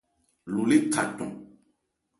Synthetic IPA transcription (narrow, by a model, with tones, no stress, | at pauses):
lo˨le˦ka˨tɔ̰̃˨